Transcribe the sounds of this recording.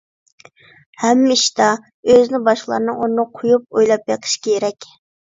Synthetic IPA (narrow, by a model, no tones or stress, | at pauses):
hɛmːiʃd̪ɑ | øznɪbɑʃqlˠɑ̰ɾnɨŋunːɨqʰʊjup̚ojlˠɑp̚jeqʰə̥ʃkʲʰeeɾɛkʲ